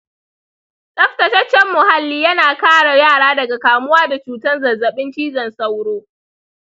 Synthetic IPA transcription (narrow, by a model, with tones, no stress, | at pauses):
sʼɐ˦ɸtɐ˨tɐ˦t͡ʃːɛ˦mːʊ˨ha˨lːiː˦jɐ˦naː˨kaː˦ɽa˨jaː˦˨ɽaː˦dɐ˨ɡa˨kaː˨mʊ˦waː˦da˨t͡ʃuː˨tɐ˦nzɐ˨zɐ˨ɓɪ˦nt͡ʃiː˦zɐ˨nsɐ˦wɽoː˦